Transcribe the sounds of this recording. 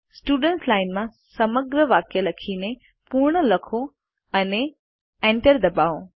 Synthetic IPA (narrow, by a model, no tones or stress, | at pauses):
sʈuːɖə̃ɳslaːɪnmã | sɐməɡɾəʋaːkjelɐkʰinẽ | puɾɳ̃əlɐkʰo | ɐne | ẽːɳʈəɾd̪ɐbaːõ